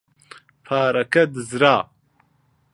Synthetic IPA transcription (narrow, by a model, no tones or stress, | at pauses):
pʰaːɾɐkʰɐd̪ɨzɾaː